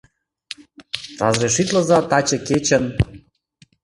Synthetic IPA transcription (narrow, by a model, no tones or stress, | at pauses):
rɑ̰zreʃit̪lə̆zɑt̪ɑt͡ɕə̆ket͡ɕə̆n